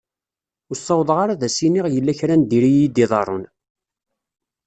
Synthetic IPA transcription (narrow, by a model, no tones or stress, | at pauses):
ʊsˤːɑwðˤʁaɾaðæsiniʁjəlːæçɾænd̪iɾijid̪iðˤɑɾˤon